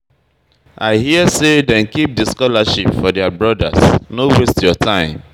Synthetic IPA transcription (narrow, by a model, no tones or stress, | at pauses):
ʔaɪɦiəsedɛ̃nkip̚dəskɔlaʃipfɔdɛabɹɔda̰snowestjɔtʰãɪ̃m